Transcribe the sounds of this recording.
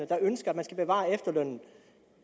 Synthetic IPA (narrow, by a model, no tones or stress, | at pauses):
əd̥ɑ̈ønsɡ̥ɐæd̥mænsɡ̥æb̥e̝ʋɑ̰̈ːefd̥ɐlœn̰n̩